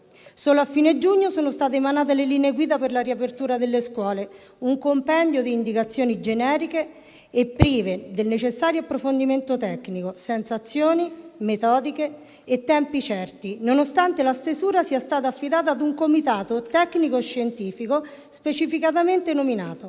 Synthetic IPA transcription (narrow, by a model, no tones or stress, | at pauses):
soːloafːiːnead͡ʒuɲːosoːnost̪aːt̪̬eːmanaːt̪̬eleliːneːɡwiːd̪aperlaɾiapert̪uːɾad̪elːeskwɔːle | uŋkompɛnd̪jod̪iːnd̪ikat̪sːjoːnid͡ʒenɛːɾikeː | pːɾiːved̪elnet͡ʃesːaːɾjoapːɾofond̪iment̪ot̪ɛkːnikosɛnt̪sat̪sːjoːnimet̪ɔːd̪ikeː | t̪ːɛmpit͡ʃɛrt̪inonost̪ant̪elast̪ezuːɾasiast̪aːt̪̬aːfːid̪aːt̪̬aːd̪uŋkomit̪aːt̪ot̪ɛkːnikoeʃːent̪iːfiko | spet͡ʃifikat̪̬ament̪enominaːt̪o